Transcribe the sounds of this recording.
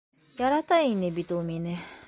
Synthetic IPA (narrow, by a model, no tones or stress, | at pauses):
jaɾat̪ainebʲit̪omʲine